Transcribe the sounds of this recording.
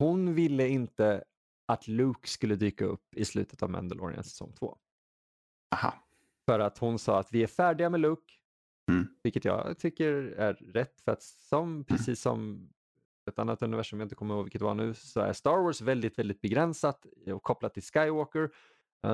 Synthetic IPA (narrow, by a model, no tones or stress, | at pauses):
hʊnvɪlːəɪnt̪ə | at̪lʉːkskɵlːəd̪yːkaɵ̰pːɪslʉ̟ːt̪ʰə̥t̪avmæ̰nd̪əlɔ̰ːɾɪ̰ə̰nsɛ̥sɔ̰ŋːt̪ʰvo̰ː | ha̰ | fœɾat̪hʊnsɑ̰ːat̪vɪæɾfæːɖɪɡamɛlʉːk | vɪlkːət̪jɑ̰ːt̪ʰʏkːəɾæɾːɛt̪ːfœɾat̪sɔmpʰɾɛsiːsːɔ̰m | ɛt̪anːat̪ɵnɪvæʂɵmjaɪnt̪əkʰɔməɾhoːvɪkət̪ɛvaɳʉ̟ːsɔæ̰ɾst̪ɑːɾwɔːsvɛld̪ɪt̪vɛld̪ɪt̪̚bɛɡɾɛnsat̪ɔkʰːɔpːlat̪ːɪlskajwoːkəɾ